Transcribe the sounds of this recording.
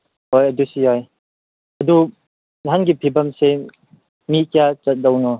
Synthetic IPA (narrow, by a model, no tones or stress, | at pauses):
hojɐdusijɔj | ɐdu | nɦanɡipʰibamse | mikijat͡ʃɐt̚dɔwnɔ